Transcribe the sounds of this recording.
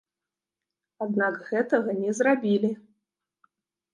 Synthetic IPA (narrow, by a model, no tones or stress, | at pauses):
ad̪nakɣɛt̪ɐɣɐnʲɛzrabʲilʲi